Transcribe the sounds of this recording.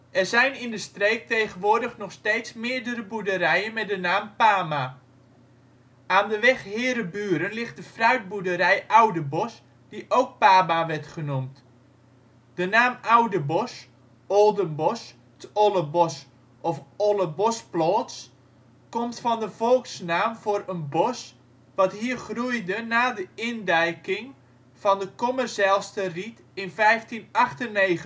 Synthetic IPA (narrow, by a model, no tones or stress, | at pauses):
ɛrzɛjnɪndəstreːk̚tejχənʋʊːrdəχnɔχsteːtsmɪəɹdərəbudəɾɛjənmɛdənaːmpaːma | ʔaːndəʋɛχhɪːɾəbyːəɾənlɪχt̚dəfrœɥt̚budəɾɛjʔawdəbɔs | d̥iʔowk̚paːmaʋɛrtχənumt | d̥ənaːmawdəbɔs | ɔlˠdənbɔs | tɔlˠəbɔs | ʔɔfɔlˠəbɔsplɔːts | kɔmtfɔndəvɔlˠksnaːmvʊːɾənbɔs | ʋɑtɦiːərχrujdənaːdəɪndɛjkɪŋ | v̥ɔndəkɔmərsaːlˠstərit | ɪnfɛjftinɑχtənːeːχə